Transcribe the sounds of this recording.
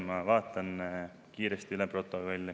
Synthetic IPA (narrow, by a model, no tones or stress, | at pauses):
mɑʋɑːt̪ːˑɑn | kiːɾest̪iylɛpro̞t̪ːˑoko̞lʲːe